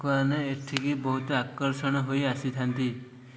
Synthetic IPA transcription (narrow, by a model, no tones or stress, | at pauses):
kɔɾneeʈʰikibɔɦut̪ɔakɔɾsɔɽ̃ɔɦojasit̪ʰant̪i